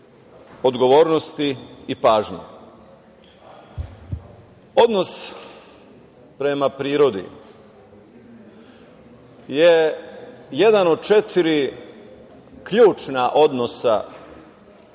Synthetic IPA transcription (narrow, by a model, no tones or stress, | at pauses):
o̞d̪ɡo̞ʋo̞ːɾnost̪iːpaːʒɲṵ | o̞d̪no̞s | pɾe̞mapɾiːɾo̞d̪ḭ | je | je̞d̪ano̞d̪̚t͡ʃe̞t̪ʰiɾi | kʎuːt͡ʃnaʔo̞d̪no̞sa̰